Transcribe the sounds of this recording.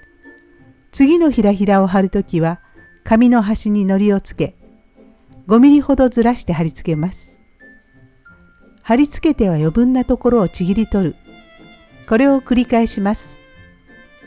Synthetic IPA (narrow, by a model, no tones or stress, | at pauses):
t͡sɨɡʲino̞çiɾaçiɾao̞ɦaɾɯ̟t̪o̞kʲiβa | kamʲino̞ɦaɕiɲ̟ino̞ɾʲio̞t͡sɨ̥ke̞ | ɡo̞mʲiɾʲiho̞d̪o̞zɨɾaɕi̥t̪e̞ɦaɾʲit͡sɨ̥ke̞masɨ̥ | haɾʲit͡sɨ̥ke̞t̪e̞βajo̞bɯ̟̃nːat̪o̞ko̞ɾo̞ːt͡ɕiɡʲiɾʲit̪o̞ɾɯ̟ | ko̞ɾe̞o̞kɯ̟ɾʲikae̞ɕimasɨ̥